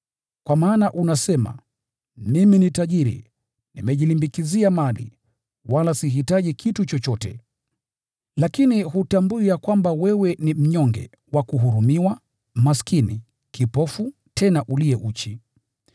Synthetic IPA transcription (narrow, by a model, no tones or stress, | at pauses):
kwʔamaːnaʔunasɛma̰ | miminitaʄiɾḭ | nimɛʄilimbikiziamalḭ | walasiɦitaʄikʰitut͡ʃɔt͡ʃɔtɛ̰ | lakinihutambuijakwambawɛwɛnim̩ɲɔŋɡɛ̰ | wakuɦuɾumiwa | maskinḭ | kipɔfu | tʰɛnaʔuliɛʔut͡ʃi